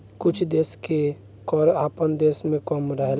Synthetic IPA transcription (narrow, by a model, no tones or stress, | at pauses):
kʊt͡ʃʰd̪eːske | kɔɾaːpənd̪eːsmẽkəmɾəɦel